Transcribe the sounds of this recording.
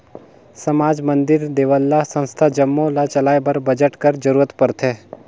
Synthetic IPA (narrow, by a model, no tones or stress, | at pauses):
sɐmaːd͡ʒmə̃nd̪ɪɾd̪eːʋəlːasə̃nst̪ʰad͡ʒəmːõlat͡ʃɐlaːjbɐɾbəd͡ʒəʈkəɾd͡ʒəɾuːɾət̪pɐɾt̪ʰeː